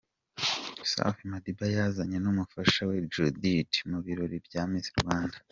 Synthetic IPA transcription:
sa̰fimadibajazaɲenumufaʃawed͡ʒuditmuβiɾoɾibjaːmiziɾuwaːnda

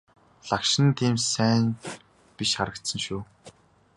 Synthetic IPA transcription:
ɮakʃɪ̆nt̪ʰiːmsæːn | piʃχaɾə̆k̚t̪sə̆ŋʃuː

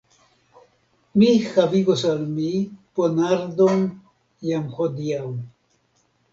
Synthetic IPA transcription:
mixaviɡosalmiponaɾd̪on | jamxod̪iaw

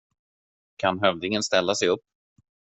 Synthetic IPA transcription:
kʰanɦœvd̪ɪŋənst̪ɛlːasɛjɵpː

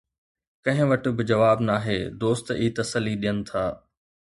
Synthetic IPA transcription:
kɐ̃ɦɪ̃ʋɐʈ̆bɪd͡ʑɐʋaːbnaːɦeːd̪oːst̪iːt̪ɐsəlːiɗijənɪ̆t̪ʰaː

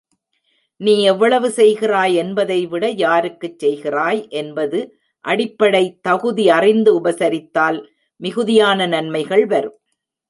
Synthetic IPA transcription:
niːɛʋːɐɭɐʋɯsɛjɣɪraːjɛnbɐðɐɪʋɪɽɐjaːɾɯkːɯt͡ʃːɛjɣɪraːjʔɛnbɐðɯ | ʔɐɽɪpːɐɽɐɪt̪ɐɣɯðiɐrɪnd̪ɯʊbɐsɐɾɪt̪ːaːl | mɪɣɯðɪjaːnɐnɐnmɐɪɣɐɭʋɐɾɯ

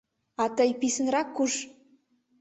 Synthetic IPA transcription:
ɑt̪əjpisənɾɑkːuʃ

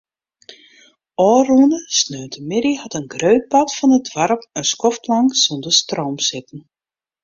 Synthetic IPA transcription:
ɔːrunəsnøːtəmɪɾihatənɡrøɥt̚patfɔnət̚dwaɾpənskɔftlɑŋsondəstroːmsɪtn̩

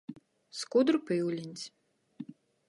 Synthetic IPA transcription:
skud̪rpɪwlʲinʲt͡sʲ

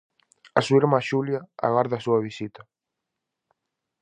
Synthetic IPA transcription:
asuiɾmaʃuljaa̰ɣaɾðasuaβisit̪ḁ

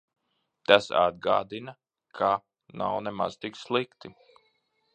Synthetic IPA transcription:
t̪asa̰d̪̚ɡa̰ːd̪inɐ | kʰa | na̰wnɛma̰z̥t̪ikslˠikt̪i

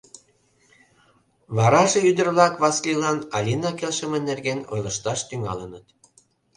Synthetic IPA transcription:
βɑɾɑʒeyd̪ə̆rβlɑkβɑsklilɑnɑlʲinɑkelʃəmənːerɣeno̰jləʃt̪ɑʃt̪yŋɑ̰lənət̪̚

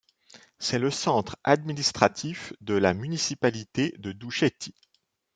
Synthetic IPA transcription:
sɛləsɑ̃t̪χa̰d̪minist̪χat̪ʰifd̪əlamynisipalit̪ed̪əd̪uʃɛt̪i

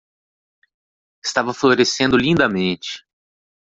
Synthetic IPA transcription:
ɪst̪avɐfloɾesẽnd̪ʊlĩnd̪ɐmẽnt͡ʃɪ̥

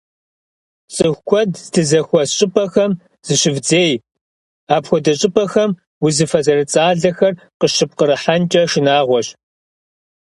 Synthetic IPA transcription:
t͡sʼɨxʷkʷʰɔdzdɨzɐxʷɔsɕʼɪpʼɐxɐm | z̥ɨɕɪvd͡zeːj | aːpxʷɔdɐɕʼɪpʼɐxɐm | wʊzɨfɐzɐrɨt͡sʼaːɮɐxɐr | qəʃɨp̚qəɾɨħant͡ʃʼɐʃɪnaːʁʷɔɕ

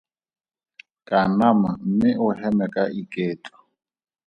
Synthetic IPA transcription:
kʼanaman̩mɪʔʊhɛmɛkʼaʔikʼeːtʼɔ̥

